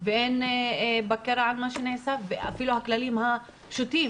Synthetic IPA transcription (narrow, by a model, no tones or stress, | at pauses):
veʔenbakeɾaʕalmaʃeneʕsavea̰filuhaklalimha | pʃut̪im